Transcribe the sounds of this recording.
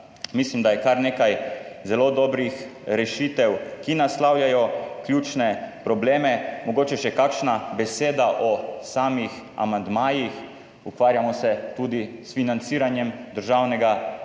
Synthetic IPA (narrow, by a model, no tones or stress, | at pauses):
mislimd̪ajɛkaɾneːkajzɛloːd̪ɔbɾixɾɛʃit̪ɛwkinaslawjajɔkljuːt͡ʃnɛpɾɔbleːmɛmɔɡoːt͡ʃɛʃɛkaːkʃnabɛseːd̪aʔɔsaːmixa̰mand̪maːjix | ukʋaːɾjamɔsɛt̪uːd̪isfinant̪siːɾanjɛmd̪əɾʒawnɛɡa